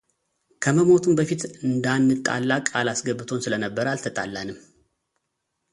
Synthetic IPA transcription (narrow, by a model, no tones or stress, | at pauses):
kʰəməmo̞t̪ʰumbəfit̪ɨnd̪anːɨt̪ʼa̰lːakʼalasɡəbːɨt̪ʰo̞nsɨlənəbːəɾalt̪ʰət̪ʼalːanɨmː